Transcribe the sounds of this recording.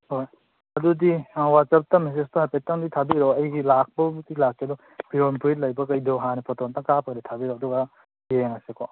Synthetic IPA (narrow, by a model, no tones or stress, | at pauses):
hoj | ɐdudiwatsap̚tames̬estɔɦajpetaŋditʰabiɾɔɐjɡilak̚ʰbɐbutilakːedɔ | b̥iɾonpɾitlɐjbɐkɐjdɔɦanepʰɔtɔntaŋkapʰaɡɾitʰabiɾɔɐd̪ɔɡa | beŋasekɔ